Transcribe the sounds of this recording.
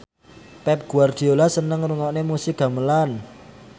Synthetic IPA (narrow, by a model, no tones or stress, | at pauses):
pɛp̚ɡ̥ṳard̪̥i̤olasənəŋruŋɔʔnemusɪɡ̚a̤məlan